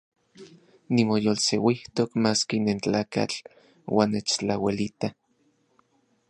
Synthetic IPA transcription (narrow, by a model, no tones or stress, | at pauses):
nimojolsewiht̪okmaːskinent͡ɬaːka̰t͡ɬ | wʔa̰ːnːet͡ʃt͡ɬawelit̪a